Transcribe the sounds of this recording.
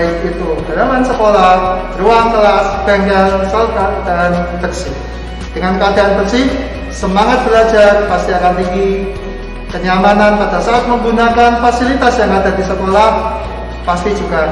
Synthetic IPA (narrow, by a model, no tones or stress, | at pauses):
ɪkit̪uɡadamansəkola | ruaŋt̪əlasb̥ɛŋɡɛlsəlt̪aʔd̥aand̥əksɪh | d̥əŋankəadaʔanbəksɪh | səmaŋat̪̚b̥əlḁd͡ʒarpast̪iakant̪iŋɡi | kəniamananmadaʔsaat̪̚məŋɡunakanfasilit̪asjaŋad̥adisəkolah | past̪id͡ʒuɡ̥a